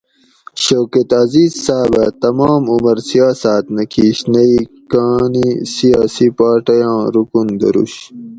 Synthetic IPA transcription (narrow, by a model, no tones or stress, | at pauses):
ɕoːket̪ɐziːzsaːbɐt̪ɐmaːmumɐɾsijaːsaːt̪nɐkʰiːɕnɐikaːnisijaːsipaːʈɐjãːɾukund̪ɐ̰ɾṵɕ